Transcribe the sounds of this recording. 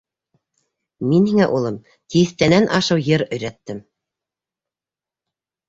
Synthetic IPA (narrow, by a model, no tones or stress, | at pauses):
minhiŋæʔulˠɤm | t̪iθt̪ænænʔɑʃɤwjɤɾɵ̆jɾæt̪ːɘm